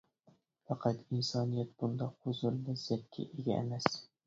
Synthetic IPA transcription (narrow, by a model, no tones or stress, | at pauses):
fɑqʰɑt̪ɪnsɒnijat̪̚b̥ʊnd̪ɒqhʊzʊlːɪzat̪̚ʲkʲːʰɪ̰ʔeɡʲa̰emas